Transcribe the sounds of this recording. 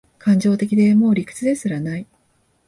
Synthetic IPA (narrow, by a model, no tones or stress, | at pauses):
kãɲ̟d͡ʑo̞ːt̪e̞kʲid̪e̞mo̞ːɾʲikɯ̥t͡sɨd̪e̞sɨɾanai